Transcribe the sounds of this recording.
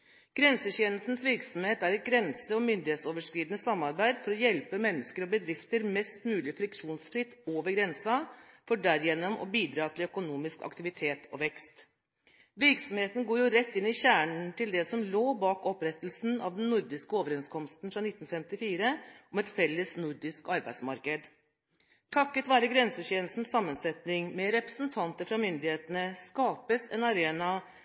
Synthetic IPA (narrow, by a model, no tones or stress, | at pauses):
ɡ̥ɾɛnsəɕeːnəst̪n̩sʋɪɾksɔm̩heːt̪æɾɛt̪̚ɡɾɛnsəɔmʏnd̪ɪheːt̪soːʋəʂkɾiːd̪ənəsɑmːɑɾbæɪd̪fɔɾɔjɛlpəmɛnːəskəɾɔbəd̪ɾɪft̪əɾmɛst̪mʉːlɪfɾɪkʂuːnsfɾɪt̪ːoːʋəɾɡɾɛnsɑfɔɖæɾjɛnːɔmɔ̰biːd̪ɾɑːt̪ʰɪlœkʊnuːmɪskɑ̰kt̪ɪʋɪt̪ʰeːt̪ʰɔʋɛkst̪ | ʋɪɾksɔmheːt̪ən̩ɡoːjʊɾɛt̪ːɪnːɪçæːɳnt̪ɪld̪ɛsɔmloːbɑːkɔpɾɛt̪ːlsn̩ɑʋd̪ɛnnʊɾd̪ɪskəoːʋəɾɛnskʰɔmst̪n̩fɾɑnɪt̪ːn̩fɛmt̪ɪfiːɾəʔɔmɛt̪fɛlːəsnʊɾɖ̪ɪskɑɾbæɪd̪smɑɾkəd̪ | t̪ʰɑkːət̪ʋæːɾəɡɾɛnsəɕenl̩st̪n̩sɑmːənsɛt̪nɪŋmɛɾɛpɾəsnt̪ʰɑnt̪əɾfɾɑmʏnd̪ɪheːt̪ənəskɑːpəsɛ̰nɑɾeːnɑ